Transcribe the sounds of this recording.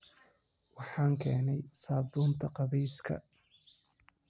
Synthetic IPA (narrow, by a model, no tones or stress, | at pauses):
wɑħɑːŋkʰɛːnɛjsaːbuːnt̪ʰɐqɑβɛjskʰɐ̰